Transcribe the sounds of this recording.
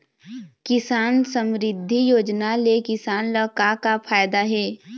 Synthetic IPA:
kɪsaːnsə̃mɾɪd̪ʱːijoːd͡ʒnalekɪsaːnləkakapʰaːjd̪aɦɛː

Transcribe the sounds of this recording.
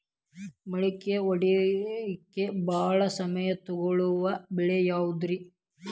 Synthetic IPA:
mɐɭikːeoɽi | kːebaːɭɐsɐmɐjɐt̪ɔɡɐɭuʋɐbɛɭejaːwud̪ɾi

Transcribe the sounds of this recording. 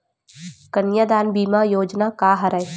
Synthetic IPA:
kɐnjad̪aːnbiːmajoːd͡ʒnakaːɦɐɾɐj

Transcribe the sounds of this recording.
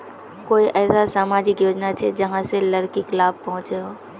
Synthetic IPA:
koːiʔɛːsasaːmaːd͡ʒɪkjoːd͡ʒnat͡ʃʰed͡ʒɐɦãselɐɾkiklaːb̚pɐɦʊ̃t͡ʃeɦoː

